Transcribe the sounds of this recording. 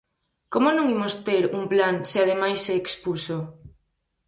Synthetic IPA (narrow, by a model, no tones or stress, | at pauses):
komonõŋimost̪eɾuŋplaŋsɪað̞emajsːeːkspuso